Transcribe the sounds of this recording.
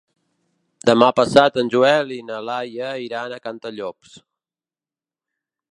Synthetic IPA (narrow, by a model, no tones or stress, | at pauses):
d̪əmapəsat̪ənʲʒuɛlinəlajəiɾanəkant̪əʎɔps